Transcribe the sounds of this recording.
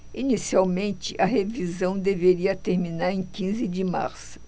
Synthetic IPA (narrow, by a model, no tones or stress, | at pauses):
inisiawmẽnt͡ʃɪʔɐɦevizɐ̃w̃d̪eveɾiɐt̪eɾminaɾẽj̃kĩzɪd͡ʒɪma̰ɾsʊ̥